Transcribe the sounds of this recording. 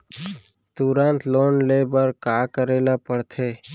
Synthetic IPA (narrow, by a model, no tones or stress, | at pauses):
t̪uɾãnt̪loːnleːbəɾkaːkəɾeːlapəɽt̪ʰeː